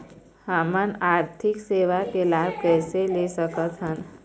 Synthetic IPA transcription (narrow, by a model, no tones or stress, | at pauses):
hamənaːɾt̪ʰɪkseːʋakelaːb̚ʱkɛːselesəkət̪ɦən